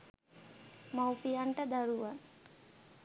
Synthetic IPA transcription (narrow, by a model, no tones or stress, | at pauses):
mawpijaɳʈəd̪aɾuʋan